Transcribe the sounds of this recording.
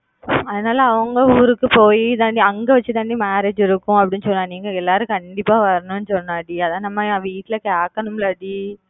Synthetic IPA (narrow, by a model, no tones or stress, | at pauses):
ɐðɐnaːlɐɐʋɐŋɡɐuːɾɯkːɯpoːjit̪ãːɳɖiɐŋɡɐʋɐt͡ʃːɯt̪ãːɳɖimaːɾeːd͡ʒɪɾɯkːʊ̃ɐpːɐɽɪnːɯsɔnːãːniːŋɡɐɛlːaːɾɯ̃kɐɳɖɪpːaːʋɐɾɐnʊ̃nːɯsɔnːaːɐɽiɐðãːnɐmːɐʋiːʈːɪlɐkeːkːɐɳɯmlɐɽi